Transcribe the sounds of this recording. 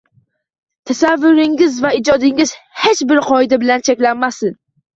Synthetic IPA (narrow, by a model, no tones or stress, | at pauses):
t̪ʰasavːʊɾɪŋɪzvaɪd͡ʒɒd̪ɪŋɪz̥het͡ʃbɪɾqʰɒɪd̪abɪlant͡ʃʰekʲlanːasɪn